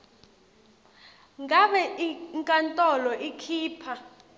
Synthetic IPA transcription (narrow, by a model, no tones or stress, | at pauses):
ŋɡʱaɓɛʔiŋkʼantʼɔlɔʔikʰiːpʰa